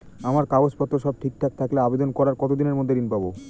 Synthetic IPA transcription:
amaɾkabospɔt̪ːɾoʃɔb̚ʈʰik̚ʈʰak̚t̪ʰakleabed̪onkɔɾaɾkɔt̪od̪ineɾmod̪ʱːed̪inpabo

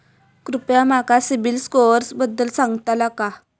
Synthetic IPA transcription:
kɾupjãmakasibilskoɾsbəd̪ːəlsãŋɡt̪alaka

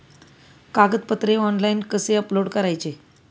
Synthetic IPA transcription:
kaɡət̪pət̪ɾeɔnlainkəseəploɽkəɾajt͡se

